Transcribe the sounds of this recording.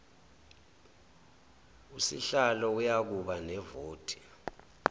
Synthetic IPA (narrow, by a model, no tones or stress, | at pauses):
usḭɬalɔujak̬uɓanɛvoːtʼi̥